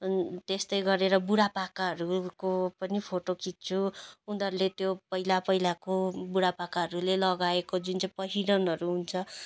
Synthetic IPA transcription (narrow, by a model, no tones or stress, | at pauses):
t̪est̪ʌjɡʌɾeɾʌbuɽapakaɦʌɾukopʌnipʰoʈokit̪̚t͡sʰuund̪ʌrlet̪jopʌɦilapʌɦilakobuɽapakaɦʌɾulelʌɡaekod͡zunt͡sʌjpʌɦiɽʌnɦʌɾuɦunt͡sʰʌ